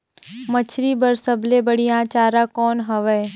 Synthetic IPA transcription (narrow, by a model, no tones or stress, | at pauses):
mət͡ʃʰɾibəɾsəblebəɽijãːt͡ʃaːɾakɔːnɦɐʋɛː